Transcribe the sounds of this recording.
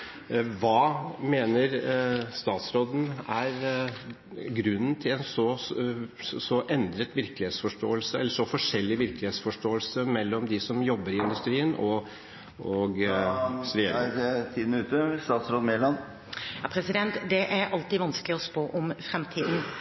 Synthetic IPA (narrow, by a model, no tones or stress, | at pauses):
ʋɑːmeːnəɾst̪ɑːt̪sɾoːd̪n̩æɾ | ɡɾʉnːn̩t̪ʰɪlɛnsɔ | sɔʔɛnd̪ɾət̪ʋɪɾklɪheːt̪sfɔʂʈo̰ːəlsəɛlːəʂɔfɔʂɛlːɪʋɪɾklɪheːt̪sfɔʂʈoːəlsəmɛlːɔmd̪ɪsɔmjɔbːəɾɪɪnd̪ʉst̪ɾiːənɔ | ɔɡ | ɾɛjeːɾt̪ʰiːd̪n̩əʉːt̪əst̪ɑːt̪sɾoːd̪meːlɑn | jɑːpʰɾɛsɪd̪ɛnt̪d̪ɛʔæɾɑlt̪iːʋɑnsklɪɔspoːʔɔmfɾɛmt̪ʰiːd̪n̩